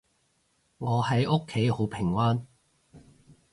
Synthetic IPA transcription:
ŋɔː˨˧hɐ˨˥jʊ˥kʰːe˨˥jho˨˥wpʰɪ˨˩ŋwaː˥n

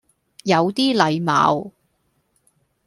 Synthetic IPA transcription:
jɐ˨˧wt̪iː˥lɐ˨˧jma̰ː˨˧˥w

